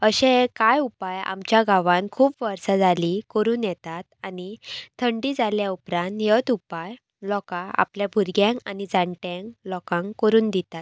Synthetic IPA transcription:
əɕẽkajupaja̰mt͡ɕjaɡaʋãnkʰuːpʋəɾsad͡zʱalikəɾuːnjɛt̪at̪̚anit̪ʰəɳɖiːd͡zaljaupɾãnt̪jət̪upaj | lɔkãa̰pljabʱuɾɡjãŋkanid͡zaɳʈjãŋklɔkãŋkəɾuːnd̪it̪at̪̚

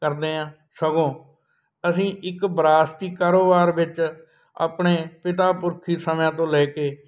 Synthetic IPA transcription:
kəɾd̪eːãː | səɡõː | əsĩːʔɪkbɾaːst̪iːkaːɾoːbaːɾʋɪt͡ʃ | a̰ːpɳeːpɪt̪̬aːpʊɾkʰiːsəmjãːt̪̬õːlɛːkeː

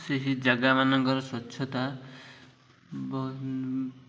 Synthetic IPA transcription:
seɦid͡ʒaɡamanɔŋkɔɾɔswɔtːʃʰɔt̪a | b

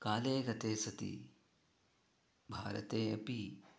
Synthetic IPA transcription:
kaːleːɡɐt̪eːsɐt̪ḭ | bʱaːɾɐ̰t̪eːɐpi

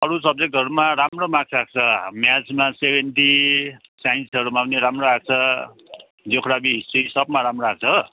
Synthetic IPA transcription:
ʌɾusʌb̚d͡zek̚ʈʌɾumaɾamromãkʰrak̚t͡sʰʌmjat͡smasebʱenʈisajnsʌɾumaʌneɾamroak̚t͡sʰʌ | d͡zokʰɾabiɦisisʌpmaɾamroak̚t͡sʰʌ

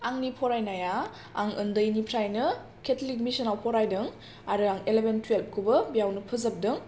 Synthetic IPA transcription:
aŋnipʰɔɾajnaja | aŋɯ̰ndɯjnipʰɾajnɯ | kʰetʰlik̬̚misɐnawpʰɔɾajdɯŋ | aɾɯaŋelebentʰwelp̚kʰubɐbijawnɯpʰɯzɐp̚dɯŋ

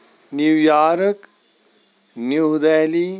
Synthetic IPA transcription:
niwjaːɾək | njud̪ɛːli

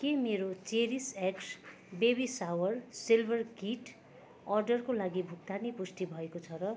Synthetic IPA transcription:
kemeɾot͡seɾiseks | bebisawʌrsilbʱʌrkiʈ | ʌrɖʌrkolaɡibʱuk̚t̪anipust̪ibʱʌekot͡sʰʌɾʌ

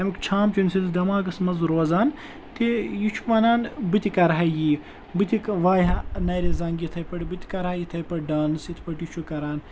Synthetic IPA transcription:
ɐmikt͡ʃʰaːmt͡ʃunʲsinzd̪ɐmaːɡɐsmɐzɾoːzaːn | t̪ejit͡ʃʰu̥ʋɐnaːnbɨt̪ʲikɐɾɦajiː | bɨt̪ʲikʋaːjɦanɐːɾeːzɐŋɡit̪ʰɐjpɐɽibɨt̪ʲi̥kɐɾaːjit̪ʰɐjpɐʈɖaːnɨsit̪ʰpɐʈjit͡ʃʰukɐɾaːn

